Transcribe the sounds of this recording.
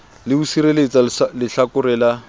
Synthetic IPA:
lɪbusiɾelet͡sʼalɪɬakʊrɛːla

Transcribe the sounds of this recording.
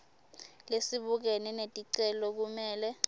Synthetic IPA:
lesiɓuk̬ɛnɛnetʼiǀɛlɔk̬umɛːlɛ

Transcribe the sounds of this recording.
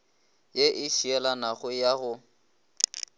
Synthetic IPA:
jeʔɪʃiɛlanaɣʊjaɣʊ

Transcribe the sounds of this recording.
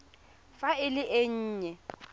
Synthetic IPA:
faɪlɪʔeɲ̩ːɲɛ

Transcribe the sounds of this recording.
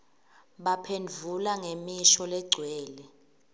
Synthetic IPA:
ɓapʰend͡vʱulaŋemiʃɔlɛɡ͡ǀʱwɛːlɛ

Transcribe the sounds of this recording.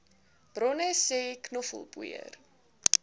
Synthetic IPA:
b̥rɔnəsɛːknɔfə̰lˠbṵə̰r

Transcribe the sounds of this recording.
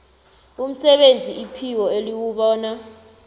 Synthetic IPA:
um̩sɛɓend͡zʱiipʰik̬ɔeliwuɓɔːna

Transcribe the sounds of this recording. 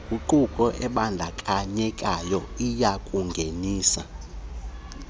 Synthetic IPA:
uǃukʼɔʔɛɓand͡ɮʱakʼaɲɛkʼajɔijakʼuŋɡʱeniːsa̰

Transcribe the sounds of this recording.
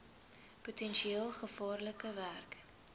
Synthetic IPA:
putɛnʃieːlˠχəfɑːrləkəværk

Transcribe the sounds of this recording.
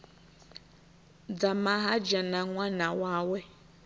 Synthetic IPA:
d͡zamaɦad͡ʒanaŋʷanawawe

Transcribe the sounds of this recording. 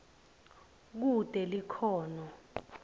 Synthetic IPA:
k̬ud̥ʼʱɛlikʰɔːnɔ

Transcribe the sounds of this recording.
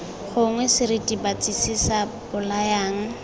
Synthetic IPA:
χʊŋwɛsɪɾitʼibat͡sʼisisabʊlajaːŋ̩

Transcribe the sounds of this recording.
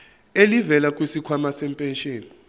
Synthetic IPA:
elivɛlakʼwisikʰwamasɛmpʼɛnʃʼeːni

